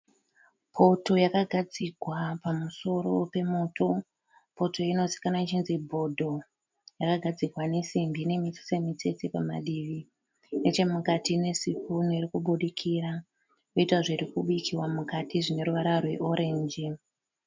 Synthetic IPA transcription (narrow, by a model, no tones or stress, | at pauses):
pʰo̞to̞jakaɡʱad͡ziɡʱwapamuso̞ɾo̞pe̞mo̞tʰo̞ | po̞to̞ino̞zi̥kanait͡ʃinzibʱo̞dʱo̞ | jakaɡʱad͡ziɡwane̞simbine̞mit͡si̥se̞mit͡se̞t͡sepama̰ɗiʋi | net͡ʃe̞mukatine̞sipuniɾikuɓuɗikʰiɾa | koitwaʐiɾikuɓikʰiwamukatiʐine̞ɾuʋaɾarwe̞̰ʔo̞ɾʔe̞ːɲd͡ʒi